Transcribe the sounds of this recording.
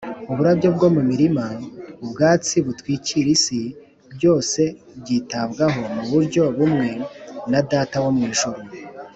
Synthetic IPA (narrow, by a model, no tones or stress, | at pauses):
uβuɾabɟo̞bɡo̞mumiɾimaubɡaːt͡siβutwiːciɾisi | bɟo̞ːse̞ | bɟiːtaβɡaɦo̞muβuɾɟo̞βumŋe̞nadaːtawomŋiːʃoɾo